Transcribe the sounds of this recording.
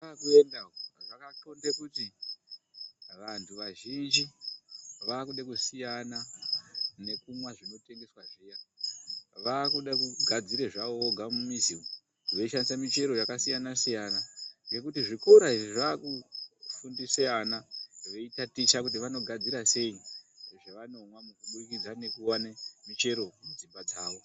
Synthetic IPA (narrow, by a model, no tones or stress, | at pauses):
akuendaʐakatondekuti | ʋantʰuʋaʒind͡ʒi | ʋaːkuɗekusijana | ne̞kumwaʐino̞te̞ŋɡe̞swaʐija | ʋaːkuɗakuɡʱad͡ziɾeʐaooɡʱamumisio | ʋe̞iʃandisamit͡ʃe̞ɾo̞jakasijanasijanaŋɡe̞kutiʐikoɾaiʐiʐaːkufundiseanaʋe̞itatit͡ʃakut̬iʋano̞ɡʱad͡ziɾase̞iʐeʋano̞mwamukuɓurikid͡zane̞kuwanemit͡ʃe̞ɾo̞ud͡zimbad͡zaːʋo̞